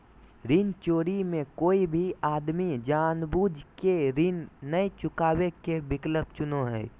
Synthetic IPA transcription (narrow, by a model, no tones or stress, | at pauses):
ɾint͡ʃoːɾimẽkoːibʱiaːd̪mid͡ʒaːnbuːd͡ʒkeɾinːəet͡ʃʊkaːwekebɪkləb̚t͡ʃʊnoɦɛː